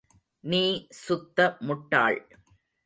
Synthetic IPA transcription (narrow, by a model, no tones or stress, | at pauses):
niːsʊt̪ːɐmʊʈːa̰ːɭ